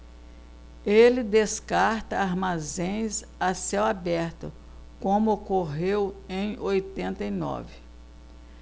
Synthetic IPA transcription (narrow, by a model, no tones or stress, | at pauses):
elɪd̪eskaɾt̪ɐaɾmazẽj̃s | asɛwabɛɾt̪ʊ̰ | kõmʊokoɦewẽj̃ojt̪ẽnt̪ɐinɔ̰vɪ